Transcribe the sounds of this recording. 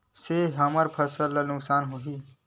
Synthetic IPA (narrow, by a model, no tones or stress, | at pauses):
seɦɐməɾpʰɐsəlanʊksaːnɦoɦiː